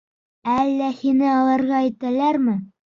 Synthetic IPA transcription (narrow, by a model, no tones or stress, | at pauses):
ælːæhinɘɑlˠɑɾʁɑæjt̪ælæɾmɘ